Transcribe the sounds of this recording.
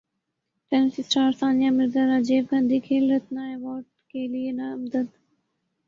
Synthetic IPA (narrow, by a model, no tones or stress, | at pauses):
ʈɛnsɪsʈaːɾsãːnjaːmɪɾd̪əɾaːd͡ʑeːbɡãːnd̪ikʰeːlɾɐt̪naeʋaːɾʈkeːlienaɐmd̪əd̪